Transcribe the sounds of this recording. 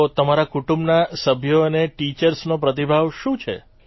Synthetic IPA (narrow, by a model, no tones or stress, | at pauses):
ot̪əmaɾakuʈũmbnasəbʱjoəneʈit͡ʃəɾsnopɾət̪̬ibʱaʋʃũt͡ʃʰḛ